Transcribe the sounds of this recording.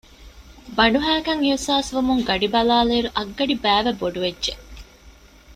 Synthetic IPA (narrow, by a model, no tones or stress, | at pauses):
bɐɳɖuɦæːkɐŋiwsaːsʋumuŋɡɐɖibɐlaːleːɾuʔɐɡːɐɖibæːʋeboɖuʋedːʒe